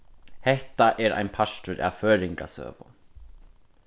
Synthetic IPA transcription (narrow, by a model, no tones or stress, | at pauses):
hɛht̪aʔɛɾa̰jnpʰast̪ʏɾʔa̰vfœːɾiŋka̰sœ̰ːvʊ̰n